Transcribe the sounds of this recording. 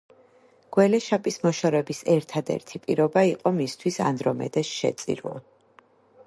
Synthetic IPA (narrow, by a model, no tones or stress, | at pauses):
ɡ̥wɛlɛʃapʼismɔʃɔɾɛbisɛɾt̪ʰad̪ɛ̰ɾt̪ʰipʼiɾɔbaiqʼɔmist̪ʰwisa̰nd̪ɾɔmɛ̰d̪ɛsʃɛ̰t̪sʼḭɾa̰